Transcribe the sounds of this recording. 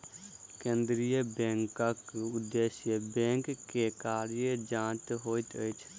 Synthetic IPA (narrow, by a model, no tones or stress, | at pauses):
kẽːnd̪ɾijəbẽːŋkəkʊd̪ːeːsjəbẽːŋkːekaːɾjəd͡ʒãːt̪ɦoːit̪əjt͡ʃʰ